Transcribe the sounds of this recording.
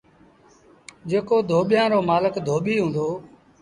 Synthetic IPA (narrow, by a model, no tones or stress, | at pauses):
d͡ʒeːkoːd̪ʱoːɓɪjãːɾoːmaːləkd̪ʱoːɓiːɦũːnd̪oː